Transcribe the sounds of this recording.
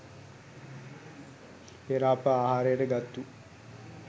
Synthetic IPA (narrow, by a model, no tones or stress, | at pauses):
eɾaːpəaːɦaːɾəjəʈəɡat̪ːu